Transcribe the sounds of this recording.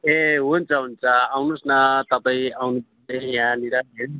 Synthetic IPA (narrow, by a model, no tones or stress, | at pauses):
eɦunt͡saɦunt͡saːwnusnat̪at̪ajawnup | ejãniɾaen